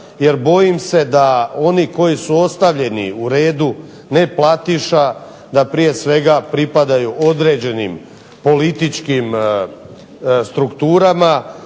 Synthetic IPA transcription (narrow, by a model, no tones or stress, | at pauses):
je̞ɾbo̞jimse̞d̪ao̞niko̞jisuo̞st̪aʋʎe̞nḭuɾe̞ːd̪u | ne̞plˠat̪iʃa | d̪apɾije̞sʋe̞ɡapɾipad̪ajuʔo̞d̪ɾe̞ːd͡ʑe̞nim | po̞lit̪it͡ʃkim | st̪ɾukt̪uːɾama